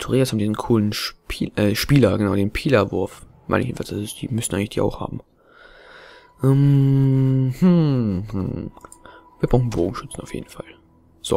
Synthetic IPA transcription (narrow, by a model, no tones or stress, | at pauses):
tʰʊʁeːashaːbm̩diːzn̩kʰuːlənʃpːʔɛʃpiːlɐɡənaʊɾeːnpʰiːlɐvʊɐf | ma̰ɪnɪçenfasʔazsd̥ḭːmʏstn̩ʔaɪɡŋlɪçd̥iːʔa̰ʊxha̰ːbm̩ | ʔɛm | hm̩h̩ | v̥iːɐbʁʊxn̩boːɡŋ̩ʃʏt͡sn̩aʊfjḛːdn̩fa̰l | z̥o̰